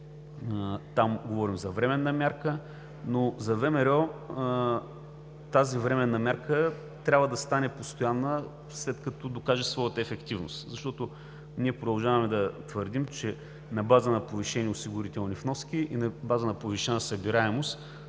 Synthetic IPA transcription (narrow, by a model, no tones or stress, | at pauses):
t̪amɡovɔɾimzɐvɾɛmɛnːɐmʲjaɾkə | nozɐvɛmɛɾʲɔ | t̪azivɾɛmɛnːɐmʲaɾkə | t̪ɾʲabvəd̪ɐst̪anɛpost̪ojanːə | slɛt̪kɐt̪ɔd̪okaʒɛsvɔjət̪əɛfɛkt̪ivno̰st̪zɐʃt̪ɔt̪o | niɛpɾod̪ɐlˠʒavɐmɛd̪ɐt̪vəɾd̪imt͡ʃɛ | nɐbazənɐpoviʃɛniɛʊsiɡʊɾit̪ɛlˠnifnɔsk̟ʲiʔinɐbazənɐpoviʃɛnəsɐbiɾaɛmost̪